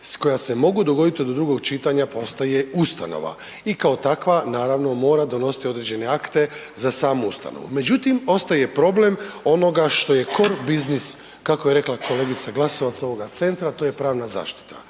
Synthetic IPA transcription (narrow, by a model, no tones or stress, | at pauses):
sko̞jase̞mo̞ɡud̪o̞ɡo̞d̪it̪id̪od̪ɾuɡo̞ɡt͡ʃit̪aɲapo̞st̪aje̞ust̪a̰no̞̰ʋa̰ | ikao̞t̪akʋanaːɾaʋno̞mo̞ːɾad̪o̞no̞si̥t̪io̞d̪ɾed͡ʑe̞ne̞akt̪e̞zasaːmuust̪a̰no̰ʋṵme̞d͡ʑut̪imo̞st̪aje̞pɾo̞ble̞mo̞no̞ɡaʃt̪o̞je̞ko̞ɾbiznis | kakojeɾe̞klˠako̞le̞ɡit̪saɡlˠaso̞ʋat̪sao̞ʋo̞ɡat̪se̞nt̪ɾat̪o̞ːje̞pɾaːʋnaza̰ːʃt̪i̥t̪a̰